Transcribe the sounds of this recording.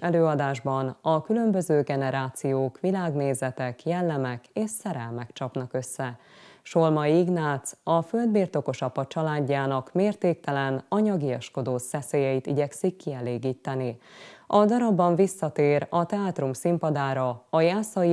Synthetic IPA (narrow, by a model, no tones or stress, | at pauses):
ɛløːɒd̪aːʒbɒnɒkylø̞mbø̞zøːɡɛnɛɾaːt̪sijoːkʋilaːɡneːzɛt̪ɛkjɛlːɛmɛkeːʃsɛɾɛlmɛkt͡ʃɒpnɒkø̞sːɛ | ʃolmɒiɡnaːt̪sɒfø̞ld̪biːrt̪o̞ko̞ʃɒpɒt͡ʃɒlaːɟːaːnɒkmeːrt̪eːk̚t̪ɛlɛnɒɲɒɡijɒʃko̞d̪oːsɛseːjɛit̪iɟɛksikːiɛleːɡiːt̪ːɛniɒd̪ɒɾɒbːɒɱvisːɒt̪eːɾɒt̪ɛaːt̪rumsimpɒd̪aːɾɒɒjaːsɒi